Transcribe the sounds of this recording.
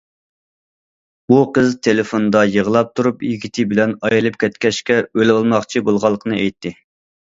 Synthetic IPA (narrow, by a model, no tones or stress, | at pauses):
buqəzt̪ʰelɪfond̪ɑjəʁəlˠɑp̚t̪ʰuɾupjiɡʲit̪ʰɪbɪlɛnɑjilˠɨp̚kʲʰɛt̪kʲɛʃkʲɛølɑlˠmɑχt͡ʃʰibolˠʁɑlˠːəqʰənɨɛjt̪ʰːɪ